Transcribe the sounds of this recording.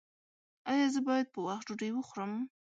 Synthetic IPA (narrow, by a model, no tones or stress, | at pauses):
ɑjɑzəbɑjad̪̚pəwaxtd͡ʒoɖejwəxʊɾəm